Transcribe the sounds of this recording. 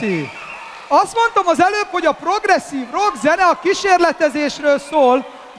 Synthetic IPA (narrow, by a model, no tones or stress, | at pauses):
i | ɒst̪mo̞n̪t̪o̞mɒzɛløːpho̞ɟɒpro̞ɡrɛsːiːvroɡzɛnɛɒkiʃeːrlɛt̪ɛzeːʃrøːlsoːl